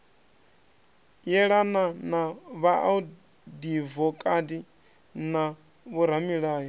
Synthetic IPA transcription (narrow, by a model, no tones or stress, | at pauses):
jɛɺananaβaʔu | divɔkʼadi | na | βuɾ̤amiɺaːjɔ